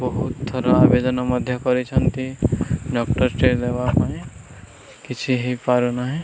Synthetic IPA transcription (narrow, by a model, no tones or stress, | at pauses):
bɔɦut̪ːʰɔɾoabed̪ənaməd̪ʱjəkɔɾit͡ʃʰʌnt̪iɖɔːkʈəɾʈeleʋapaẽ | kɪt͡ʃʰiɦipaɾunaɦɛ